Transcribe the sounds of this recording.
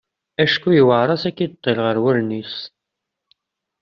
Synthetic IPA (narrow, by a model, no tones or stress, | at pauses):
æʃkːujiwəʕɾˤɑsækːid̪ət̪ˤːelʁəɾwæɾnis